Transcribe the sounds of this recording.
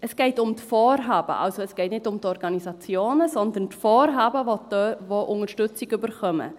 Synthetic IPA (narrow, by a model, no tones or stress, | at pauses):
ɛsɡ̥ɛɪtʊmtfoːɾɦɑːb̥ə̰ʔɑ̰lsoɛsɡ̥ɛɪtnɪtʊmtɔɾɡɑnisɑt͡sjoːnəsɔnd̪əntfoːɾɦɑːbəʋotøʋoʔʊŋəɾʃtʏt͡sɪɡybəɾχœmə̰